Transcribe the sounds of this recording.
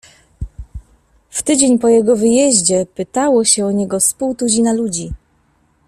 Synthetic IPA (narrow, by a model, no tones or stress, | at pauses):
ft̪ɘd͡ʑeɲpɔjɛɡɔvɘjɛʑd͡ʑɛpɘt̪awɔɕɛɔɲɛɡɔspuwt̪ud͡ʑinalud͡ʑi